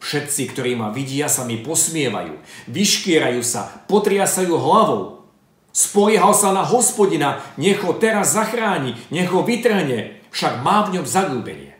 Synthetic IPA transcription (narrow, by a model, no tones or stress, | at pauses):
fʃɛt̪t͡sikt̪ɔɾiːmaʋiɟɪasamipɔsmɪɛʋa̰jṵːʋiʃkɪɛɾajuːsa̰pɔt̪ɾɪasajuːɦlaʋɔʊ | spɔjɛɦalsanaɦɔspɔɟinaɲɛɣɦɔt̪ɛɾazːaxɾaːɲiɲɛɣɦɔʋit̪r̩ɦɲɛfʃaɡmaːvɲɔmzaɡuːbɛ̰ɲɪɛ̰